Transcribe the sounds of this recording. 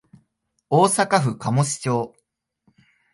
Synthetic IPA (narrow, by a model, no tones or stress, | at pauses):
oːsakaɸɯ̟kamo̞ɕi̥t͡ɕo̞ː